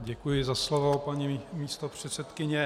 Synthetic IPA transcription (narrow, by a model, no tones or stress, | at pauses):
ɟɛkujɪzaslovopaɲimiːst̪opr̝̥ɛt̪sɛt̪kɪɲɛ